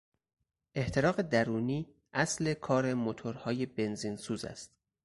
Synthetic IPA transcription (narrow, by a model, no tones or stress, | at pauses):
ʔe̞ht̪ʰeɾɒːɣe̞d̪æɾuːniː | ʔæsle̞kʰɒːɾe̞mot̪ʰoɾhɒːje̞be̞nziːnsuːzæ̰st̪